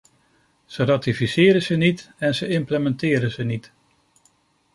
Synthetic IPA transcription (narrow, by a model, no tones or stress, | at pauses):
z̥əraːtifisɪːɾəzənitɛnzəɪmpləmɛntɪːɾənzənit